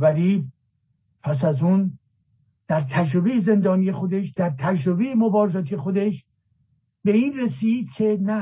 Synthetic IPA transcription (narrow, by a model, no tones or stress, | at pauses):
væli | pʰæsæzuːn | d̪̥æɾt̪ʰæd͡ʒɾobejeze̞nd̪ɒːnije̞xo̞d̪e̞ʃd̪̥æɾt̪ʰæd͡ʒɾobejemobɒːɾezɒːt̪ʰiexod̪e̞ʃ | beiːnɾesiːd̪̥̚cʲʰe̞næ